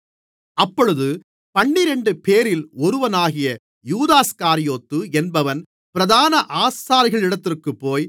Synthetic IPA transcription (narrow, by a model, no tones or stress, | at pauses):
ɐpːɔɻɯðɯ | pɐɳːɪɾɛɳɖɯpeːɾɪlɔɾɯʋɐnaːɣɪjɐ | juːðaːskaːɾɪjoːt̪ːɯɛnbɐʋɐn | pɪɾɐðaːnɐʔaːsaːɾɪɣɐɭɪɽɐt̪ːɪrkɯpːoːj